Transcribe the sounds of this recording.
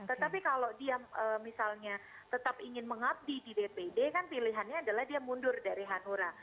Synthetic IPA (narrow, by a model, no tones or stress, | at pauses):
t̪ət̪apikalodiaʔəːmisalɲa | t̪ət̪apiŋɪnməŋap̚dididepedekanpiliɦanɲaːdalahdiamundʊrdaɾiɦanuɾa